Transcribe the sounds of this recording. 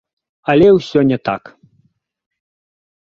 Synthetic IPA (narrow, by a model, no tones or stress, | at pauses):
ɐlʲɛwsʲɔnʲɛt̪a̰k